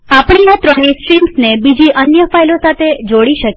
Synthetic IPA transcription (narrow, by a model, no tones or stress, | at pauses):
apɳ̃iat̪ɾɔɳiksʈɾimsnebid͡ʒiʔənjəfajlosat̪ʰed͡ʒoɽiʃək